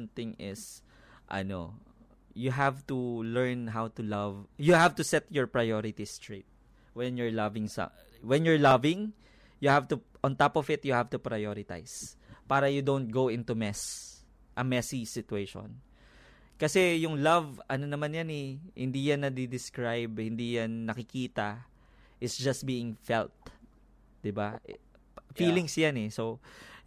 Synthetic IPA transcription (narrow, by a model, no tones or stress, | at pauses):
nt̪ɪ̃ŋɪs | ʔɐ̰no̰ | jʊɦavt̪ulɛɹnɦawt̪ʊlɐvjʊhavt̪ʊsɛt̪jɔɹpɹɐjoɾɪt̪ist̪ɹet̪̚ | wɛnjɔɹlɐvɪŋsɐ̰ | wɛnjɔɹlɐvɪ̃ŋ | jʊhavt̪uʔɔ̃nt̪apɔfɪt̪̚jʊhavt̪ʊpɹɐjoɾɪt̪a̰js | paːɾɐjʊd̪ont̪̚ɡowʔɪ̃nt̪umɛs | ʔɐmɛsisɪt̪ueʃo̰n | kɐsɛjʊŋlɐvʔɐnonɐmanjanɛhɪ̰nd̪iːjanːɐd̪id̪ɪskɹajbhɪnd̪ijanːɐkɪkiːt̪ɐ | ʔɪtsd͡ʒɐst̪̚biːɪŋfɛ̰lt̪̚ | d̪̥ɪbaʔ | fiːlɪŋsjanɛso